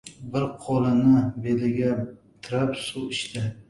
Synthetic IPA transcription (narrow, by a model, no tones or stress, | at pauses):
bɪɾqʰɒlanɪbelɪɡʲa | t̪ʰɪɾapsuɪʃt̪ɪ